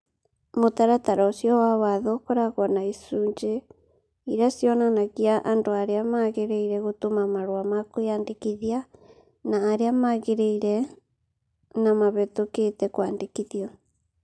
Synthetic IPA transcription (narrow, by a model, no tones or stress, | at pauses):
motaɾataɾɔsjɔwawaðokɔɾaɣɔnaisuːɲd͡ʒe | iɾeasjɔnanaɣiaʔandoaɾeamaɣeɾeiɾɛɣotomamaɾwamakoandekiðia | naːɾeamaɣeɾeiɾɛ | namaβɛtoketɛkwaːndekiðiɔ